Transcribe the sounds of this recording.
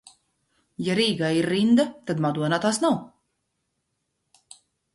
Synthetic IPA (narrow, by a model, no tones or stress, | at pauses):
jaɾiːɡaiɾːind̪at̪ad̪mad̪uɔnaːt̪aːsnaw